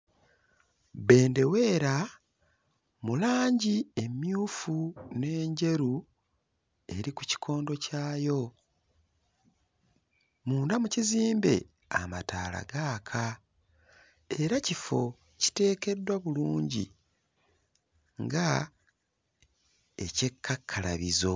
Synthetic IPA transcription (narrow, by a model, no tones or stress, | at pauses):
be̞ːnde̞we̞ːɾa | mulaːɲɟie̞mjuːfune̞ːɲɟe̞ɾu | e̞ɾiku̥ci̥kʰo̞ːndo̞caːjo̞ | muːndamuciziːmbe̞̰ | a̰ma̰taːla̰ɡaːkʰa | e̞ɾacifo̞ | ci̥te̞ːke̞dːwaβuluːɲɟḭ | ŋɡa | e̞ce̞kʰːakʰːala̰βizo̞